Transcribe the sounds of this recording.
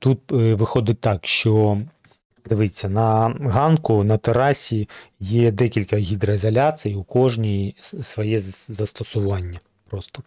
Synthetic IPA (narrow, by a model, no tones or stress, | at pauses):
t̪ut̪̚ʋɪxɔd̪ɪt̚ʲt̪ɑkʃt͡ʃɔ | d̪ɪʋɪt͡sʲːɐnɐɦɑnkʊnɐt̪eɾɑsʲijɛd̪ɛkʲilʲkɐɦʲid̪ɾɐɪzɐlʲasɨjiʊkɔʒnʲijsʋɔjɛzzɐst̪ɔsʊʋɑnʲːɐ | pɾɔst̪ɔ̥